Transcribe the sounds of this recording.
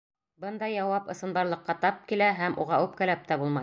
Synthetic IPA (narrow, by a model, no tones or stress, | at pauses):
bɤnd̪ɑjɑwɑpɤ̆sɤ̆nbɑɾlˠɤ̆qːɑt̪ɑp̚kilæɦæmʔṵʁɑʉp̚kælæp̚t̪æbulˠmɑj